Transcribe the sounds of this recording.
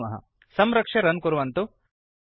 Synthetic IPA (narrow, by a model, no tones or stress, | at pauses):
mɐɦɐ̰ | sɐmɾɐkʂɐɾɐnkuɾuʋɐnt̪u